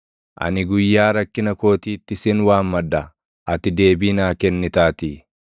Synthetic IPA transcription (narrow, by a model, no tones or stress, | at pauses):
ʔɐ̰nɪɡʊjːaːɾɐkːɪnɐko̞ːt̪iːt̪ːɪsɪnwaːmmɐd̪ɐ | ʔɐt̪ɪd̪e̞ːbiːnaːkɛnːɪt̪aːt̪i